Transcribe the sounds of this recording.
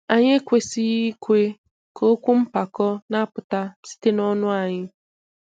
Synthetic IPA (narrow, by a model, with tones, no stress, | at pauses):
a˨ɲe˦kʷe˨si˦i˦kʷe˦ | kʰo˦kʷu˦m̩˦pa˨kɔ˦na˦a˦pʊ˨ta˦si̥˦te˦nɔ˦nʊ˦a˨ɲɪ˦